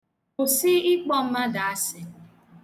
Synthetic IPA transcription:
o˨sɪ˦ɪ˦k͡pɔ˦m̩˦ma˦da˨a˦sɪ˨

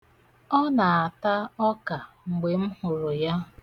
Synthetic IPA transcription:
ɔ˦na˨a˨ta˦ɔ˦ka˨ | ŋ͡m̩˨ɡ͡be˨m̩˦hʊ˨ɾʊ˨ja˦

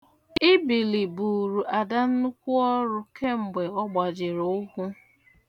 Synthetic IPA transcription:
ɪ˦bi˨li˨bu˨ɾu˨ʔa˨da˦n̩˦nu˦kʷu˦ɔ˦ɾʊ˦kʰe˦ŋ͡m̩˨ɡ͡be˨ɔ˦ɡ͡ba˨d͡ʒɪ˨ɾo˨˦ʊ˦hu˦

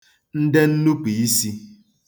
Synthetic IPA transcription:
n̩˦de˦n̩˦nu˦pi˨i˦si˦

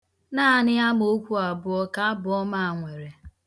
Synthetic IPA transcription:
naː˦a˨nɪ˦a˦m˦o˦kʷu˦a˨bʊ˨ɔ˦ka˦bʊ˨˦ɔ˦ma˦˨a˨ŋʷe˨ɾe˨

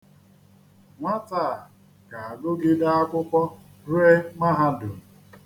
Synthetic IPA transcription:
ŋʷa˦taː˦˨ | ka˨a˨ɡʊ˦ɡɪ˦da˦a˦kʷʊ˦kʷɔ˦ | ɾe˦ma˦ɦa˦dʊ˨

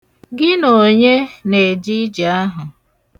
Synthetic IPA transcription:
ɡɪ˦no˨ɲe˦ne˨d͡ʒi˦d͡ʒi˨a˦ɦʊ˨

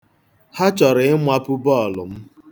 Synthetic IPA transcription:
ha˦t͡ʃɔ˨ɾɪ˨ɪ˦mʷa˦pʊ˦bɔ˦˨lʊ̰˨m̩˦

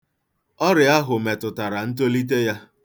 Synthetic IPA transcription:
ɔ˦ɾɪ˨a˦ɦʊ˨me˨tʊ˨ta˨ɾa˨n̩˦t̬o˦li˦t̬e˦ja˦

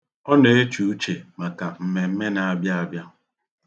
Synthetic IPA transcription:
ɔ˦ne˨e˦t͡ʃu˨u˦t͡ʃe˨ma˨ka˨m̩˨me˨m̩˦me˦na˨a˦bja˦a˨bja˦

